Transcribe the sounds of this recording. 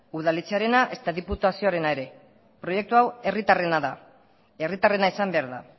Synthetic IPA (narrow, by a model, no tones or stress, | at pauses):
uðalit͡seaɾe̞naʔe̞st̪aðiput̪asio̞aɾe̞nae̞ɾe̞ | pɾo̞je̞k̚t̪uawe̞rit̪are̞naða | e̞rit̪are̞naisambe̞aɾða̰